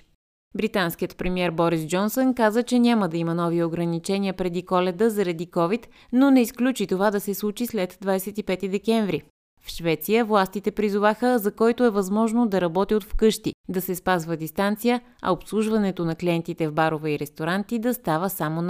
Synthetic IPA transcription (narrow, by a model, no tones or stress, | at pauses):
bɾit̪anskiət̪pɾɛmiɛɾbɔɾisd͡ʒɔnsonkazət͡ʃɛnʲaməd̪ɐimənɔvioɡɾɐnit͡ʃɛniəpɾɛd̪ikɔlɛd̪əzɐɾɐd̪ikɔvit̪ | nonɛisklʲut͡ʃit̪ovad̪ɐsɛslˠut͡ʃislɛd̪d̪vadjsɛt̪ipɛt̪id̪ɛkʲɛɱvɾi | fʃvɛt̪sijəvlˠast̪it̪ɛpɾizovaxəzɐkɔjt̪oɛvɐzmɔʒnod̪ɐɾɐbɔt̪iot̪fkɤʃt̪id̪ɐsɛspazvəd̪ist̪ant̪sijə | ɐ̰opslˠuʒvɐnɛt̪onɐkliɛnt̪it̪ɛvbaɾovɛiɾɛst̪oɾant̪id̪ɐst̪avəsamon